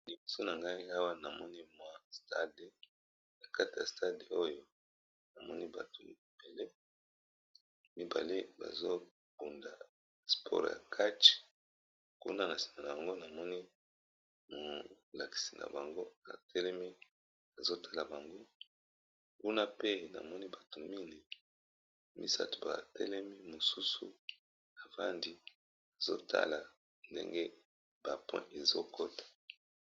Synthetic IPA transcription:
li˨bo˨so˦na˨ŋɡa˦i˦a˦wa˦na˨mɔ˦ni˦mwa˨sta˦de˨ | na˨ka˦ti˨ja˨sta˦de˨o˦jo˦ | na˨mɔ˦ni˦ba̰˨tʰo˨lḭ˨b̥e˨lɛ˦ | mi˦ba̰˨le˦ba̰˨zo˦ | b̥u˨nda˨ | spʰɔ̰˦ʁja̰˨kʰa˦t͡ʃ | kṵ˦na˦na˨si̥˨ma˨na˨ba˨ŋɡo˦na˨mɔ˦ni˦ | mo˨ | la˨ki̥˨si˨nʔa̰˨ba˨ŋɡo˦a˨tʰɛ˦lɛ˦mi˦ | a˨zo˦tʰa˦la˨ba˨ŋɡo˦ | ku˦na˦pe˦na̰˨mɔ˦ni˦ba˨to˨mi˦ni˨ | mḭ˦sa̰˦to˨ba̰˨tɛ˦lɛ˦mi˦mo˨su˦sṵ˦ | na˨va˦ndi˦ | a˨zo˦tʰa̰˦la˨ | ndḛ˦ŋɡe˦ | b̥a˨pwɛ̰̃˦ʔe˨zo˦ko˦tḁ˨

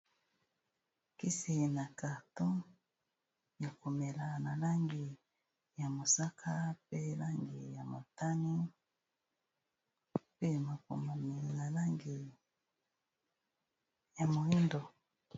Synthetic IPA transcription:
ki˦si˨na˨ka˨tɔ˦ | ja˨ko˨mɛ˨la˨na˨la˦ŋɡi˨ | ja˨mo˨sa˦kʰa˦pe˦la˦ŋɡi˨ja˨mo˨ta˦ni˦ | pe˦ma˨ko˨ma˨mi˨na˨la˦ŋɡi˨ | ja˨mo˨i˦ndɔ˨

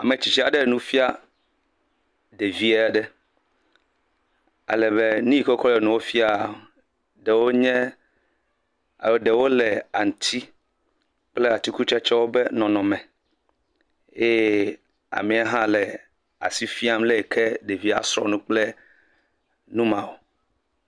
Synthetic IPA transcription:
a̰˨me˨t͡ɕi˨t͡ʃi˦a˨ɖe˦˨nũ˦fi˦a˦ | ɖe˨vi˦e˦˨ɖɛ˦ | a̰˨lɛ˨βe˦nũ˦i˦kɔ˦kɔ˦lɛ˨nũ˨wo˦fi˦a˦ | ɖe˨wo˦ɲɛ̃˦ | a̰˨˦ɖe˨wo˦lɛ˨a˨ŋ˨t̪ʰi˦ | k͡plɛ˦a˨t̪i˦ku˦t͡ʃɛ˦t͡ʃɛ˦wo˦be˦nɔ̃˨nɔ̃˨mɛ̃˨ | e˦ | a̰˨mĩ˨a˦ɦã˦lɛ˨ | a̰˨si˦fi˦a˦m˦le˦e˨kʰɛ˦ɖe˨vi˦a̰˨sɾɔ̰˦nũ˦k͡ple˦ | nũ˦mã˨wo˨

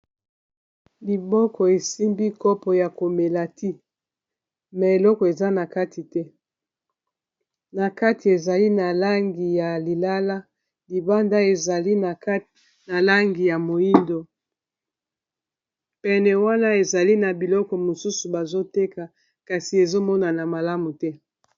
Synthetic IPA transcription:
li˨bɔ˦kɔ˨e˨si˦mbi˦kɔ˦pɔ˨ja˨ko˨me˨la˨tʰi˦ | mɛ˨e˨lɔ˦kɔ˨e˨za˦na˨ka˦ti˨tɛ˦ | na˨ka˦tʰi˨e˨za˨li˦na˨la˦ŋɡi˨ja˨li˨la˦la˦ | li˨ba˦nda˦e˨za˨li˦na˨k | na˨la˦ŋɡi˨ja˨mo˨i˦ndo˨ | pɛ˨nɛ˨wa˦na˦e˨za˨li˦na˨bi˨lɔ˦kɔ˨mo˨su˦su˨ba˨zo˦te˦ka˨ | ka˨si˨e˨zo˦mɔ˦na˨na˨ma˨la˦mu˨tɛ˦

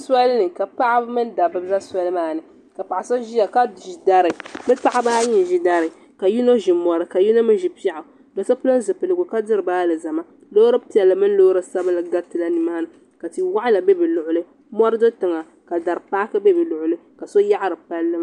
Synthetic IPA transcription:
sa˦lnɨ˨ka˨pa˦ʔa˦mɨ˦n˦da˨bɨ˦za˦sʷa˦lɨ˦maː˦nɨ˨ | ka˨pa˨ʔa˨so˦ʒi˦ja˨ka˦˨ʒi˨da˦ɾɨ˨mɨ˦ta˦ʔa˦baː˦ɲi˨ʒi˨da˨ɾɨ˨ | ka˨ji˦no˦ʒi˨mɔ˨ɾɨ˨ka˨ji˦no˦mɨ˦ʒi˨pi˦a˦˨ʔa˨ | do˨sa˦pʊ˦lo˦n˦zɨ˨pɨ˨lɨ˨ɡʊ˨ka˦dɨ˦ɾɨ˨baː˦lɨ˨za˨ma˦ | loː˦ɾɨ˦pi˦ɛ˨lːɨ˨mɨ˦n˦loː˦ɾɨ˦sa˦bɨ˦lɨ˨ɡa˦tɨ˨la˦ni˨maː˦nɨ˨ | ka˨ti˨wa˦ʔa˦la˨bɛ˦bɛ˨lʊ˨ʔʊ˨lɨ˦ | mɔ˦ɾɨ˦do˦tɨ˨ŋa˨ | ka˨da˨ɾɨ˨paː˦kɨ˦bɛ˦bɛ˨lʊ˨ʔʊ˨lɨ˦ka˨so˦ja˦ʔa˦ɾɨ˨pa˦lːɨ˦

